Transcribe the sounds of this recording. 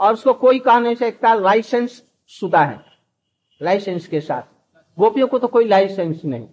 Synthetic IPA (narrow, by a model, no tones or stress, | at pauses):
ɔːɾʊskokoːikaɦneseeːk̚t̪alaːɪsensː | ʊd̪ʱaɦɛ̰̃ | laɪsenskesa̰ːt̪ʰ | ɡoːpijõkot̪okoːilaɪsensnəɦḭ̃